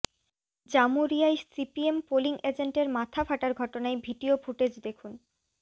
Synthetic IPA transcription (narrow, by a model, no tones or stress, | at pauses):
d͡ʑamuɾiajsipiempoliŋed͡ʑeɳʈeɾmat̪ʰafaʈaɾɡʱɔʈonaebʱiɖiofuʈed͡ʑd̪ekʰun